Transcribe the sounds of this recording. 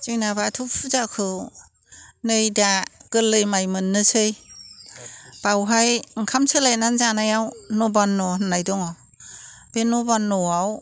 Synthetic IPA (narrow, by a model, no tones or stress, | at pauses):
t͡ʃijnabatʰupʰuzakʰɯ | nɯjdaɡ̥ɯlːɯjmajmɯnːɯsɯj | b̥awɦajŋkʰamsʰɯlajnanzanajawnɔbanːɔɦnːajdɔŋɔ | b̥enɔbanːɔaw